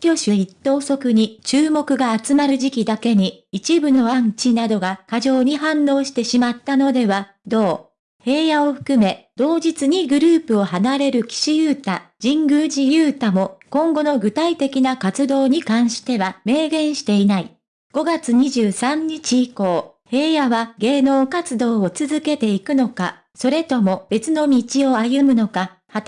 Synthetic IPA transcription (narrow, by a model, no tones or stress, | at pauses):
kʲo̞ɕɨit̪ːo̞ːso̞kɯ̟ɲ̟it͡ɕɨːmo̞kɯ̟ɡaːt͡sɨmaɾɯ̟ʑikʲid̪ake̞ɲ̟iit͡ɕibɯ̟no̞ãn̟t͡ɕinad̪o̞ɡakaʑo̞ːɲ̟iɦãnːo̞ːɕi̥t̪e̞ɕimat̪ːano̞d̪e̞βa | d̪o̞ː | he̞ːjao̞ɸɯ̟̥kɯ̟me̞d̪̥o̞ːd͡ʑit͡sɨɲ̟iɡɯ̟ɾɯ̟ːpɯ̟o̞hanaɾe̞ɾɯ̟kʲi̥ɕijɯːt̪ad͡ʑĩŋɡɯ̟ːʑijɯːt̪amo̞kõ̞ŋɡo̞no̞ɡɯ̟t̪ait̪e̞kʲinakat͡sɨd̪o̞ːɲ̟ikãɰ̃ɕi̥t̪e̞βame̞ːɡẽ̞ɰ̃ɕi̥t̪e̞inai | ɡ̥o̞ɡat͡sɨɲ̟iʑɨːsãɲ̟ːit͡ɕiːko̞ː | he̞ːjaβaɡe̞ːno̞ːkat͡sɨd̪o̞ːot͡sɨzɨke̞t̪e̞ikɯ̟no̞ka | so̞ɾe̞t̪o̞mo̞b̥e̞t͡sɨno̞mʲit͡ɕio̞ajɯ̟mɯ̟no̞ka | hat̪